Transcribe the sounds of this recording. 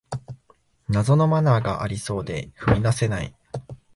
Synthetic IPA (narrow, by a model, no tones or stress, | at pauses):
nazo̞no̞manaːɡaʔaɾʲiso̞ːd̪e̞̰ɸɯ̟mʲid̪ase̞naḭ